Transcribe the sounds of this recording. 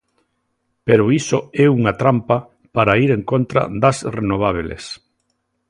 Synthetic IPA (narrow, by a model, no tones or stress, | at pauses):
peɾoisoɛuŋat̪ɾampa | paɾaiɾeŋkont̪ɾa̰d̪asrenoβ̞aβ̞elḛs